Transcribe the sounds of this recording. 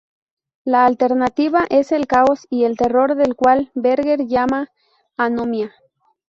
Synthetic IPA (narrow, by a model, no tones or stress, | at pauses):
laːlt̪eɾnat̪iβaʔeselkaosielt̪eroɾðelkwalbeɾɣeɾʝamaː | nomja